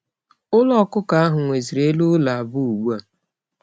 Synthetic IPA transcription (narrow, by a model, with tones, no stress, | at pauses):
ʊ˦lɔ˦˨kʊ˦ka˨˦a˦ɦʊ˨ŋʷe˨zi˨ɾe˦lu˦la˨a˨bʊ˦u˨ɡ͡bu˦a˨